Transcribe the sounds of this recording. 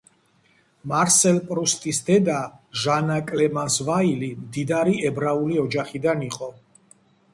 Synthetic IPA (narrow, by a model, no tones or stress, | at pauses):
maɾsɛlpʼɾust̪ʼisd̪ɛd̪aʒanakʼlɛmansvailimd̪id̪aɾiɛbɾauliɔd͡ʒaχid̪aniqʼɔ